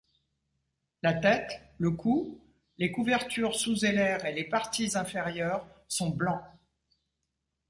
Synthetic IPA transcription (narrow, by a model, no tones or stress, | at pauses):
lat̪ɛt̪ləkʰu | lekuvɛʁt̪yʁsuzelɛʁelepaʁt̪izɛ̃feʁjœːʁsɔ̃blɑ̃